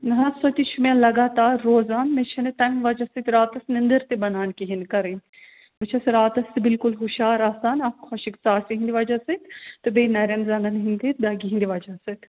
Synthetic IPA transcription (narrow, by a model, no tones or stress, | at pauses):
nɐɦɐsot̪it͡ʃʰumẽlɐɡaːt̪aːɾːoːzaːnmet͡ʃʰɐnet̪ɐmʋɐd͡ʒɐsɐt̪ɾaːt̪ɐsnind̪əɾt̪ebɐnaːnkiɦinkɐɾẽ | mɐt͡ʃʰɐsɾaːt̪ɐsbɪlkʊlɦuʃaːɾaːsaːnɐpxʰɐʃiksaːsiɦĩnd̪iʋad͡ʒasɐt̪t̪ɨbeːnɐɾɐmzɐŋɡɐnɦĩnd̪it̪̚d̪ɐɡiɦind̪iʋaːd͡ʒasɐt̪